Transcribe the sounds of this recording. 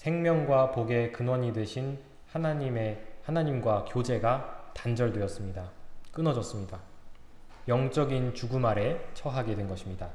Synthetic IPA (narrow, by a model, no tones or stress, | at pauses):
sʰe̞ŋmjʌŋɡwapoɡe̞kɯnwʌɲidwe̞ɕʰin | hanaɲimehanaɲimɡwakjod͡ʑe̞ɡatand͡ʑʌɭdwe̞ʌs͈ɯmɲidak͈ɯnʌd͡ʑʌs͈ɯmɲida | jʌŋt͡ɕ͈ʌɡint͡ɕuɡumaɾe̞t͡ɕʰʌɦaɡe̞dwenɡʌɕʰimɲida